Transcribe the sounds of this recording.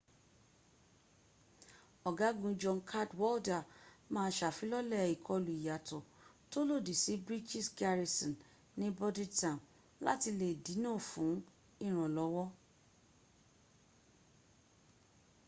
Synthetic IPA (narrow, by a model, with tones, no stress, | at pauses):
ɔ˨ɡa˨˦ɡũ˧d͡ʒɔ˧nkʰa˦˨dwɔ˦lda˨mãː˦˧˦ʃa˨fĩ˨˦lɔ˦lɛ˦˨i˨kʰɔ˧lu˨i˨ja˨tɔ˨ | to˦lo˦˨di˨si˨˦bɾi˦d͡ʒi˦sɡa˧ɾi˧sɔ̃˨n | nĩ˦bɔ˦di˦tã˨ | la̰˦ti˧le˨di˨˦nãː˦˨fũ˨˦ | ĩ˦˨ɾ̃ɔ̃˨lɔ˨˦wɔ˦